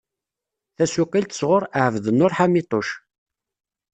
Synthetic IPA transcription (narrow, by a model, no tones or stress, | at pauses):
θæsuqːilt̪ə̥sʁʊɾˤəʕəvðənːʊɾħamit̪ˤoʃ